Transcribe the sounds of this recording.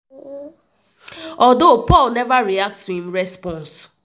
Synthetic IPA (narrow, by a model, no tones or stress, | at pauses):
ɔdopɔlnɛvaɾiak̚tuĩm̩ɾɛspɔ̃ns